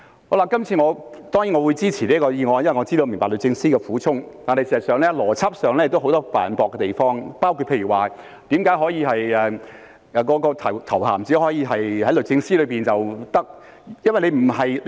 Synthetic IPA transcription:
ho˨˥wla˨˩kɐ˥mt͡sʰiː˧ŋɔː˨˧t̪ɔː˥ŋjiː˨˥ŋɔː˨˧wu˨˧jt͡siː˥t͡sʰiː˨˩liː˦˥kɔː˧jiː˧ŋɔː˧njnwɐ˨˩ŋɔ˨˧t͡siː˥d̪o˧m˨˩ŋpaː˨˩lɵ˨t̚t͡sɪ˧ŋsiː˥kɛː˧fuː˨˥t͡sʰʊ˥ŋt̪aː˨˩nhɐ˨jsiː˨˩zɐ˨tsœː˨ŋlɛː˥lɔː˨˩t͡sʰɐ˥p̚sœː˨ŋlɛ˥ɪ˨k̚t̪wɦo˧˥wt̪ɔː˥fa̰ː˨˩npɔː˨˧kːɛ˧t̪e˨jfɔː˥ŋpaː˥wkʰu˧t̚pʰe˧jɥyː˨˩waː˨ | t̪iː˨˥mkaː˨˧˥jɦɔː˨˥jiː˧ɦɐ˨jɛː˨ | ɛ˨kɔː˨˧˥kɔː˧t̪ʰɐ˨˩wt̪ʰɐ˨˩wha̰ː˨˩mt͡siː˨˥hɔː˨˥jiː˨˧ɦɐ˨jhɐ˨˥jlɵ˨˩t͡sɪ˧ŋsiː˥lɵ˨˧ɥpiː˨nt͡sɐ˨wt̪ɐ˥k̚ | jɐ˥nwɐ˨jle˧m̩˨˩ɦɐ˨j

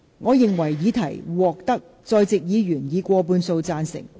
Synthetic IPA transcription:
ŋɔː˨˧jɪ˨ŋwɐ˨˩jːiː˨˧˥t̪ʰɐ˨˩jwɔː˨k̚t̪ɐ˥k̚ | t͡sɔː˧jt͡sɪ˨k̚jiː˨˧ɥyː˨˩njiː˨˧kʷɔː˧p̬uː˧nso˧wt͡saː˧nsɪ̰˨˩ŋ

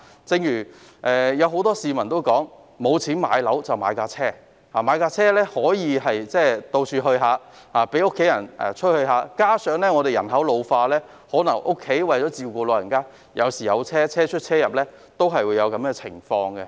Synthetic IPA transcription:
t͡sɪ˧ŋjyː˨˩ | ʔɛː˨jɐ˨˧wɦo˨˥wt̪ɔː˥siː˨mɐ˨˩nt̪o˥wkɔː˨˥ŋ | mo˨˧wt͡sʰiː˨˥nma̰ː˨˧˥jlɐ˨˥wt͡sɐ˨˩wma̰ː˨˧jkaː˧t͡sʰɛː˥ | haː˨˩maː˨˧jkaː˧t͡sʰɛː˥lɛː˥hɔː˨˥jiː˨˧ɦɐ˨jt͡sɛː˥˩t̪o˧wt͡ʃʰyː˧ɦɵ˧ɥɦaː˨˧ | haː˨pe˨˥jʊ˥kʰːe˨˥jɐ˨˩nɛ̰ː˨t͡ʃʰɵ˥t̚hɵ˧ɥhɦaː˨˧kaː˥sœː˨˥ŋlɛː˥ŋɔ˨˧ɾe˨jɐ˨˩nɦɐ˨˥wlo˨˧wfaː˧lɛː˥ | hɔː˨˥nɐ˨˩ŋʔʊ˥kʰːe˨˥jwɐ˨jt͡ʃɔː˨˥t͡siː˨wkuː˧loː˨˧jɐ˨˩nkaː˥ | jɐ̰˨˧wsiː˨˩jɐ̰˨˧wt͡sʰɛː˥t͡sʰɛː˥t͡ʃʰɵ˥t̚t͡sʰɛː˥jɐ˨p̚lɛː˥ | t̪o˥wɦɐ˨jwu˨˧jɐ˨˧wkɐ˨˥mɛ˧t͡sʰɪ̰˨˩ŋfɔː˧ŋɡɛ˧

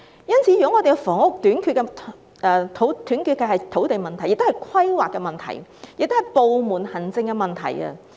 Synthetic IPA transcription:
jɐ˥nt͡sʰiː˨˧˥jy˨˩ɔ˧˥ŋɔː˨˧e˨kɛ˧fɔː˨˥ŋʊ˨k̚t̪yː˨˥nkʰyː˧t̚kɛ˧ | ɛ˧t̪ʰo˨˥wt̪ʰyː˨˥nkyː˧t̚kɐ˧hɐ˨jt̪ʰo˨˥wt̪e˨jmɐ˨nt̪ʰjɪ˨k̚t̪hjkʰɐ˥jwaː˨kɛ˧mɐ˨nt̪ʰɐ̰˨˩jjɪ˨k̚t̪o˥hɐ˨˩jpo˨wmuː˨nhɐ˨˩nt͡sɪ˧ŋkɛ˧mɐ˨nt̪ʰɐ̰˨˩jɐ̰˧

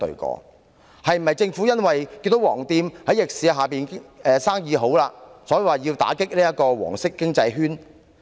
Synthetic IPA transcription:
t̪ɵ̰˨˧ɥkɔ̰ː˧ | hɐ˨jm̩˨˩hɐ˨jt͡sɪ˧ŋfuː˨˥jɐ˥nwɐ˨jkiː˧nt̪o˨˥wɔː˨˩ŋt̪iː˧mhɐ˨˥jɪ˨k̚siː˨ɦaː˨piː˨˩nɛː˨˧saː˥ŋjiː˨˧ɦo˨˥wlaː˧sɔː˨˥jiː˨waː˨˩jiː˧wt̪a̰ː˨˥kɪ˥k̚liː˥ɐ˥kɔː˧wɔ̰ː˨˩ŋsɪ˥kːɪ˥ŋt͡sɐ˧jɦyː˥n

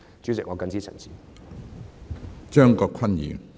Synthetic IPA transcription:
t͡ʃyː˨˥t͡sɪ˨k̚ŋɔː˨˧kɐ˧nt͡siː˥t͡sʰə̰˨˩nt͡sʰi̥˨˩ | t͡ʃœː˥ŋkɔː˧kʰɐ˥njḭː˨˩n

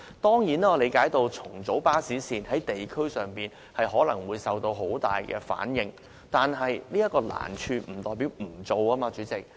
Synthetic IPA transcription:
t̪ɔː˥ŋjiː˨˥naː˥˧le˨˧jkaː˨˥jt̪o˧wt͡sʰʊ˨˩ŋt͡so˨˥wpaː˥siː˨˥siː˨nhɐ˨˥jt̪e˨jkʰɵ˥sœː˨ŋpiː˨˩n | hɐ˨jɦɔː˨˥lɐ˨˩ŋwuː˨˧jsɐ˨wt̪o˧wɦo˨˥wt̪aː˨jkɛ̰ː˧fa̰ː˨˥njɪ˨˧ŋ | t̪aː˨nɦɐ˨jliː˥jɐ˥t̚kɔː˧la̰ː˨˩nt͡ʃʰyː˧m̩˨˩t̪ɔː˨jpi˨˥wm̩˨˩t͡so˨˧waː˥maː˧t͡ʃyː˨˥t͡sɪ˨k̚

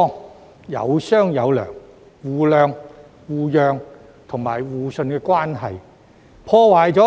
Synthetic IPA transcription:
ŋ | jɐ̰˨˧wsœː˥ŋjɐ˨˧wlœ̰ː˨˩ŋ | wuː˨˩lœː˨ŋ | wuː˧jœː˨˧ŋ | t̪ʰʊ˨˩ŋmaː˨˩jwuː˨˧sɵ˧nkɛː˧kʷwaː˥nɦɐ˨j | pʰɔː˧waː˨˩jt͡sɔ˨˥

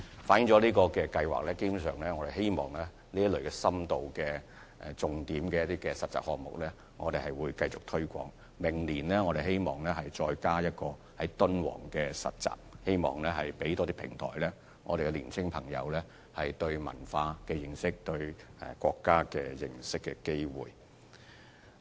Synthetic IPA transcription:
faː˨˥njɪ˨˥ŋt͡sɔː˨˥liː˥kɔː˧kɛː˧kɐ˧jwa̰ː˨k̚lɛː˥ke˥bu˨˧˥sœː˨ŋlɛː˦˥ŋɔː˨˧de˨jɦe˥jmɔː˨˩ŋlɛː˥ | liː˥jɐ˥lɵ˨ɥkɛː˧sɐ˥mt̪o˨wkɛː˧ | ɛ˧t͡sʊ˨ŋt̪iː˨˥mkɛː˧jɐ˥t̪iː˥kɛː˧sɐ˨t̚t͡sa̰ː˨p̚hɔː˨k̚mʊ̰˨k̚lɛː˥ | ŋɔː˨˧d̪e˨jhɐ˨jwuː˨˧jkɐ˧jt͡sʊ˨k̚t̪ʰɵ˥ɥkʷɔ̰ː˧˥ŋ | mɪ˨˩ŋliː˨˩nlɛː˥ŋɔ˨˧e˨jɦe˥jmɔː˨˩ŋlɛː˥ɦɐ˨jt͡ʃɔː˧jkaː˥jɐ˥t̚kɔː˧ | hɐ˨˦jt̪ɵ˥nwɔ̰ː˨˩ŋkɛː˧sɐ̰˨t̚t͡sa̰ː˨˩p̚he˥jmɔ̰ː˨ŋlɛː˥hɐ˨jpe˨˥jt̪ɔː˥t̪i˥pʰɪ̰˨˩ŋt̪ʰɔ̰ː˨˩jlɛ˥ | ŋɔː˨˧ɾe˨jkɛ˧liː˨˩nt͡sʰɪ˥ŋpʰɐ˨˩ŋjɐ̰˨˧wlɛː˥ | hɐ˨jt̪ɵ˧ɥmɐ̰˨˩nfaː˧kɛː˧jɪ˨˩ŋsɪ˥k̚t̪ɵ˧ɥkʷɔː˧kːaː˥kɛː˧jɪ̰˨˩ŋsɪ˥kːɛ̰˧ke˥jwṵː˨˩j

